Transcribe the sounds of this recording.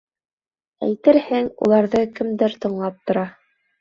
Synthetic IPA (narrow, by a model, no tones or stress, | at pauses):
æ̰jt̪ɘɾhæŋṵlˠɑɾðɤkɘ̆md̪ɘɾt̪ɤ̆ɴlˠɑp̚t̪ŏɾɑ